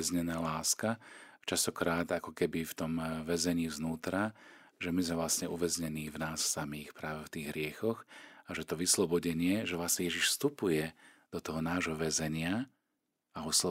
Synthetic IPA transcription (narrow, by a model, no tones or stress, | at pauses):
ɛzɲɛnaːlaːskat͡ʃast̪ɔkɾaːd̪akɔkɛbift̪ɔmʋɛzɛɲiːznuːt̪ɾa | ʒɛmizmɛvlasɲɛʔuʋɛzɲɛniːvnaːsːamiːxpɾaːʋɛft̪iːɣɦɾɪɛxɔxaʒɛt̪ɔʋislɔbɔɟɛɲɪɛʒɛvlasɲɛjɛʒiʃst̪upujɛd̪ɔt̪ɔɦɔnaːʒɦɔʋɛzɛɲɪa | aɦɔslɔ